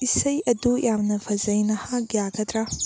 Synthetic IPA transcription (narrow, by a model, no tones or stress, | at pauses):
ʔɪsːɐjʔɐd̪uːʔj̰aːmnɐfɐzɐjnɐhaːɡɪjaːkɐt̪ɾɐ